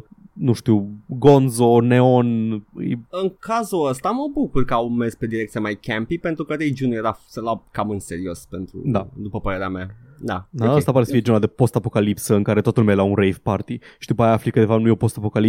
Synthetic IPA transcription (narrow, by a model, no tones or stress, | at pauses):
nuʃt̪iwɡo̞nzo̞neo̞nɨ̰jɨŋkazuəst̪aməbukurkəawmespe̞d̪iɾekt̪iamajkʲɛmpipe̞nt̪ɾukəɾejd͡ʒunujeɾasəlakamɨnse̞ɾio̞spe̞nt̪ɾṵd̪ad̪upəpəɾe̞ɾeamja | d̪ad̪aəst̪apaɾesəfijd͡ʒenlad̪epo̞st̪apo̞kalipsəɨŋkaɾe̞t̪ot̪ulmewlaunɾejvpart̪iʃid̪upajaflikɨd̪evanujepo̞st̪apo̞kali